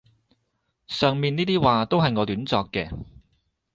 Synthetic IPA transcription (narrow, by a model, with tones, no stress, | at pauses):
sœː˨ŋmiː˨˧niː˥t̪iː˥waː˨˧t̪o˥wɦɐ˨jŋɔː˨˧lyː˨˥nt͡sɔː˧kːɛ̰ː˧